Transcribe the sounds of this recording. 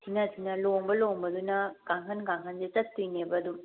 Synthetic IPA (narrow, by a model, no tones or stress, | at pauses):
sʰinɐsʰinɐlombɐlombɐd̪unɐkaŋkʰɐnɡaŋkʰɐndet͡ʃɐt̪ːujnebɐːd̪um